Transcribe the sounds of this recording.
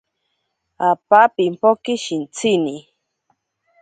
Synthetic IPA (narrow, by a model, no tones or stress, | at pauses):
apapimpokiʃint͡sʰini